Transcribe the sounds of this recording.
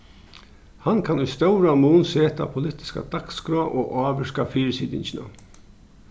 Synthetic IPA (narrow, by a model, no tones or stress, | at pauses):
hankʰanujst̪œwɾamuːnseːt̪a̰pʰʊlɪt̪ɪ̥ska̰d̪akskɾɔaʔoːʔaːʋɪʂkafiːɾsiːd̪ɪ̰ɲt͡ɕɪna̰